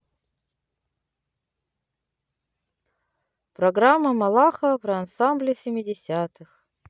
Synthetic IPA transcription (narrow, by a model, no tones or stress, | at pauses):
pɾɐɡɾamːəmɐlˠaxəpɾɪɐnsamblʲɪsʲɪmʲɪdʲɪsʲat̪ɨx